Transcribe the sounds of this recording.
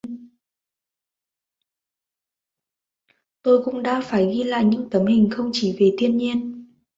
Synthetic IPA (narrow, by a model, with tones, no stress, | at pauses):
t̪o˧jkʊ̰˧˥ŋ͡mɗa̰ː˧˥faː˧˩jɣi˧la̰ː˧˨jɲɨ̰˧˥ŋt̪ə˨˦mhï˨˩ŋ̟xə˧wŋ͡mt͡ɕi˧˩˦ve˨˩t̪ʰi˧ənɲi˧ən